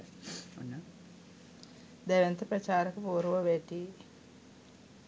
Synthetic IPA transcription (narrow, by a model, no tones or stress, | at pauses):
ṵnːɐ | d̪eʋent̪ɐpɾɐt͡ʃaːɾɐkupuːɾuʋɐʋeːʈːi